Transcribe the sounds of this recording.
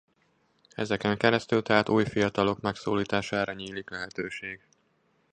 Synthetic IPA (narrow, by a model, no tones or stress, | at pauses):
ɛ̰zɛkɛŋkɛɾɛst̪ylt̪ɛɦaːt̪uːjfijɒt̪ɒlo̞kmɛksoːliːt̪aːʃaːɾɒɲiːliklɛɦɛt̪øːʃeːɡ